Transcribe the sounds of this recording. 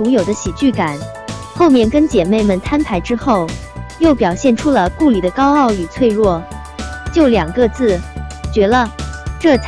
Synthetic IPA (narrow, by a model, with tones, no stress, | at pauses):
u˧˥ŋjo˨˩ʊd̪ə˦ɕi˨˩t͡ɕy˥˩ka˨˩˦n | xo˥˧ʊmjɛ˥˩nkə˥nt͡ɕjɛ˨˩me˥˩ɪmə˨˩nt̪ʰa˥npʰa˧˥ɪʈ͡ʂɻ̩˥xo˥˩ʊ | jo˥˩ʊpjɑ˨˩ʊɕjɛ˥˩nʈ͡ʂʰu˥lə˧ku˥˩li˨˩d̪ə˦kɑ˥ʊɑ˥˩ʊy˨˩t͡sʰwe˥˧ɪɻwɔ˥˩ | t͡ɕjo˥˩ʊljɑ˨˩ŋɡɤ˥˧t͡sɹ̩˥˩t͡ɕɥɛ˧˥lə˧ʈ͡ʂɤ˥˩t͡sʰ